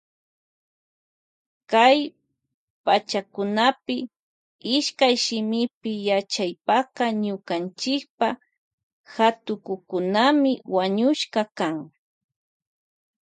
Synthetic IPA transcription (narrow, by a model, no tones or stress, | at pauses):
kaj | pat͡ʃakʊnapɪ | ɪʃkajʃɪmɪpɪjat͡ʃajpaqɑɲʊkant͡ʃɪk̚pa | xat̪ʊkʊkʊnamɪwaɲʊʃkɑkaŋ